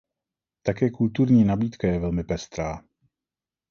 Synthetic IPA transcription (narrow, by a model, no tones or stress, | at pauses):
t̪akɛːkult̪uɾɲiːnabiːt̪kajɛvɛlmɪpɛst̪ɾaː